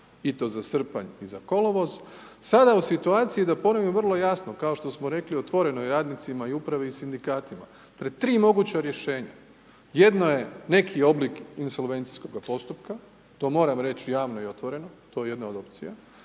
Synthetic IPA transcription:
it̪o̞ːzasr̩pa̰ɲizako̞loʋozsad̪ausit̪uaːt̪sijid̪apo̞noʋimʋr̩lˠo̞jasnokao̞ʃt̪o̞smoɾe̞klio̞t̪ʋo̞ɾe̞noiɾaːd̪nit̪simaiupɾaʋeisind̪ikaːt̪ima | pɾed̪t̪ɾiːmo̞ɡut͡ɕaɾje̞ʃe̞ːɲa | je̞d̪no̞je̞ne̞kʰio̞blikinso̞lʋe̞nt̪si̥sko̞ɡapo̞st̪upka | t̪o̞ːmo̞ːɾamɾe̞t͡ɕjaːʋno̞io̞t̪ʋo̞ɾe̞not̪o̞je̞je̞d̪naod̪o̞pt̪sija

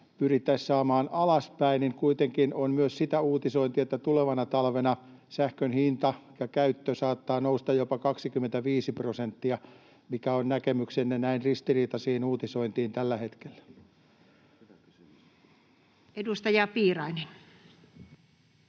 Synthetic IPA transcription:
pyrit̪ːæissɑːmɑːnɑlɑspæiniŋkuit̪eŋkinonmyøssit̪æuːt̪isoint̪iet̪ːæt̪uleʋɑnɑt̪ɑlʋenɑsæhkønhint̪ɑjɑkæyt̪ːøsɑːt̪ːɑːnoust̪ɑjopɑkɑksikymːˑent̪æʋiːsiprosent̪ːiɑ | mikæonnækemyksenːenæinrist̪iriːt̪ɑsiːinuːt̪isoint̪iːnt̪ælːæhet̪ke̥lːæ̥ | edust̪ɑjɑpiːrɑinen

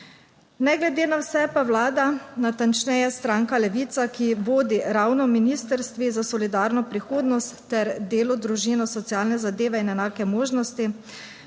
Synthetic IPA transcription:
nɛɡlɛd̪eːnawsɛpawlaːd̪anat̪ant͡ʃnɛjast̪ɾaːŋkalɛʋiːt̪sakiʋoːd̪iɾawnɔminiːst̪əɾst̪ʋizasɔlid̪aːɾnɔpɾixoːd̪nɔst̪ːɛɾd̪eːlɔd̪ɾuʒinɔsɔt̪sijaːlnɛzad̪eːʋɛinɛnaːkɛmoːʒnɔst̪i

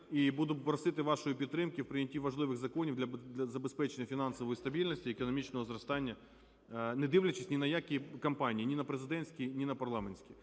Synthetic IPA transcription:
ibud̪ʊpɾɐsɪt̪ɪʋɑʃɔjipʲidt̪ːɾɪmkʲɪwpɾɪnʲɐtʲiʋɐʒlˠɪʋɪɣzɐkɔnʲiwd̪lʲɐd̪ʲɐzɐbespɛt͡ʃenʲːɐfʲinɑnsɔʋɔjist̪ɐbʲilʲnɐsʲtʲiekɔnɔmʲit͡ʃnɔɦɔzɾɐst̪ɑnʲːɐ | nɛd̪ɪʋlʲɐt͡ʃɪsʲnʲinɐjakʲikɐmpɑnʲiːnʲinɐpɾezɪd̪ɛnʲsʲkʲinʲinɐpɐrlˠɑmenʲsʲkʲi

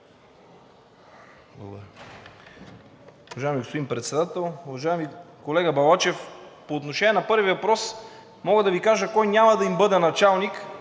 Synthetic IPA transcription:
blˠɐ̰ɡo̰d̪ɾ | uvɐʒajɛmiɡospod̪inpɾɛt̪sɛd̪at̪ɛlˠuvɐʒajɛmikolɛɡəbɐlˠat͡ʃɛfpoːt̪noʃɛnʲiɛnɐpɤɾvivɐpɾɔs | mɔɡəd̪ɐvikaʒəkɔjnʲjamɐd̪ɐimbɤd̪ɛnɐt͡ʃalˠnik

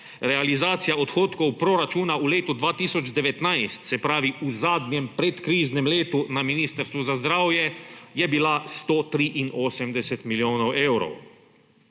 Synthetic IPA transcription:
ɾɛalizaːt̪sijaɔt̪xoːt̪kɔwpɾoɾat͡ʃuːnauleːt̪ud̪ʋaːt̪iːsɔd͡ʒd̪ɛʋɛt̪najst̪sɛpɾaːʋiuzaːd̪nɛmpɾɛt̪kɾiːznɛmleːt̪unaminiːst̪əɾst̪ʋuzazd̪ɾaːwjɛjɛbilast̪oːt̪ɾiʔinoːsɛmd̪ɛsɛt̪miljoːnɔwewɾɔ̰w

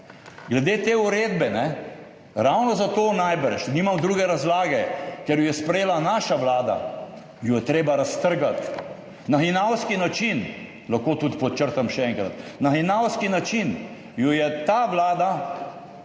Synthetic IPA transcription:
ɡlɛd̪eːt̪eːuɾeːd̪bɛnɛ | ɾawnɔzat̪oːnajbəɾʃniːmamd̪ɾuːɡɛɾazlaːɡɛkɛɾjɔjɛspɾɛjeːlanaːʃaʋlaːd̪a̰ | jɔjɛt̪ɾeːbaɾast̪əɾɡat̪ | naxinawskinat͡ʃin | laxkoːt̪ut̪pɔt͡ʃəɾt̪amʃɛɛŋkɾat̪naxinawskinat͡ʃin | jɔjɛt̪aːʋlaːd̪a

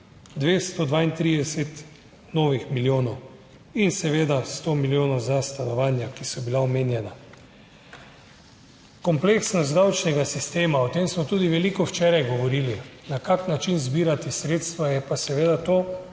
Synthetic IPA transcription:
d̪ʋeːst̪od̪ʋaːint̪ɾid̪ɛsɛt̪ | noːʋixmiljoːnɔw | insɛʋeːd̪ast̪omiljoːnɔwzast̪anɔʋaːnjakisɔbilaɔmeːnjɛna | kɔmpleksnɔszd̪awt͡ʃnɛɡasist̪eːmaɔt̪emsmɔt̪uːd̪iʋɛlikɔwt͡ʃɛːɾajɡɔʋɔɾiːlinakaknat͡ʃinzbiːɾat̪isɾeːt̪st̪ʋajɛpasɛʋeːd̪at̪oː

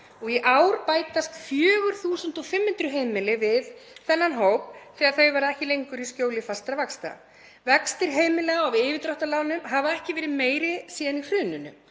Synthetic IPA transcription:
ɔɣiʔawɾpaːjt̪ast̪fjœːɣʏɾ̥θuːsʏnt̪ɔfɪmhɪnt̪ɾʏɦeːjmɪlɪvɪðθɛnːanɦowp̚θɛːɣaɾ̥θœɥvaɾaɛhcɪlejŋkʏɾiscoːwlɪfast̪ɾavakst̪a̰ | vɛkst̪ɪɾ̥ɦeːjmɪlɛɣaavɪːvɪt̪ɾɔht̪alaːwnʏmɦavaɛhcɪvɛːɾɪðmeːjɾɪsiːðanifɾʏːnʏnːʏ

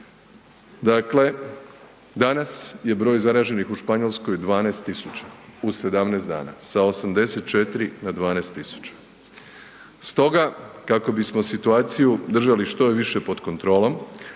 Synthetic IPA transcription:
d̪akle̞ | d̪anasje̞bɾo̞ːjzaɾaːʒe̞nixuʃpaɲo̞lˠsko̞jd̪ʋaːnast̪ːisut͡ʃḁuse̞d̪amnesd̪a̰ːna̰sao̞samd̪e̞set̪̚t͡ʃet̪ɾinad̪ʋaːnest̪ːisu̥t͡ɕḁ | st̪o̞ɡakako̞bismo̞sit̪uaːt̪sijud̪r̩ʒaliʃt̪o̞ʋiʃe̞po̞d̪kont̪ɾo̞ːlo̞m

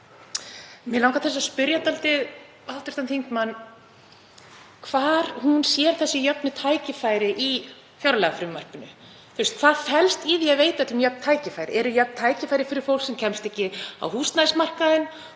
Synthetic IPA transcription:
mɪlaːwkaθɛs̬ːaðspʏɾjat̪alt̪ɪð | alt̪ʏ̥ɾ̥t̪ʰanʰijŋt̪manː | kʰvaːɾhunsjɛɾ̥θɛsːɪjœpnɪt̪ʰaːjcɪfajɾɪʔi | fjawɾalɛɣafɾʏːmmar̥pɪnʏ | θʏɾst̪kʰθaðfɛlst̪iːðijaveːjt̪aɛt̪ʏmjœp̚n̥t̪ʰaːjcɪfajɾɪ̰ʔɛɾʏjœpnt̪ʰaːjcɪfajɾɪfɪɾɪɾ̥fowl̥ksɛmcʰɛmst̪ɛhcɪa̰whuːst̪nasmar̥kaðɪn

